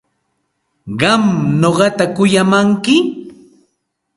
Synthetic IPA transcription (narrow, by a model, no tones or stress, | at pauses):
ɢɑmnoɢɑt̪akʊjamaŋkɪ